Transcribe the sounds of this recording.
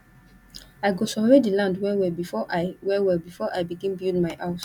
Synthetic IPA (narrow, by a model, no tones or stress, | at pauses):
ajɡosɔvɹedilãndwɛwɛbifɔwɛwɛbifɔʔajbiɡĩnbildmaɪʔaʊs